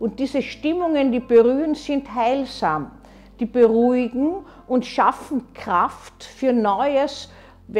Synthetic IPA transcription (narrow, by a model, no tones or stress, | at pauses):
ʔʊnt̚d̥iːzəʃtɪmʊŋəndiːb̥əʁyːənz̥ɪnthaɪlzaːm | d̥iːb̥əʁuɪɡŋ̩ | ʔʊntʃafn̩kʁ̥aftfyːɐnɔʏəs | v